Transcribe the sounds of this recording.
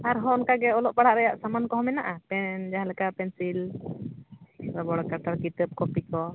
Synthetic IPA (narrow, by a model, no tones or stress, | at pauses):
aɾɦɔnkaɡɛɔlɔʔbaɽaʔɾɛjaʔsamankɔɦɔmɛnaʔapɛnd͡ʒaɦãlɛkapɛnsil | ɾɔbɔɽɔkaʈaɾkit̪əp̚kɔpikɔ